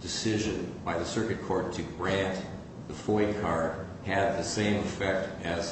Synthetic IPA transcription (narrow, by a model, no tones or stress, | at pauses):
d̥ɨsɪʒɨ̃nbaɪðɨsɜ˞kɨt̚kʰɔɹtʰɨɡɹæ̃nt | ðəfɔɪkʰɑɹd̥̚ | ɨd̪̚ðɨsẽɪ̃mɨfɛk̚tɨz̥